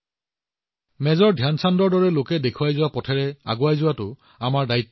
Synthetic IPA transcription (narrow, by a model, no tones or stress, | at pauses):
mɛzɔɹdʱjansandɔɹdɔɹɛlokɛdekʰuajzʊwapɔtʰɛɹɛa̰ɡʊajzʊwatʊ | amaɹdaitː